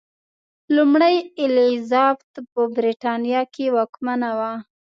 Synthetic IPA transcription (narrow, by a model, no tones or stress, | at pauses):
lumɽajɪlizɑbt̪pəbɾiʈɑnijɑkewɑkmanawa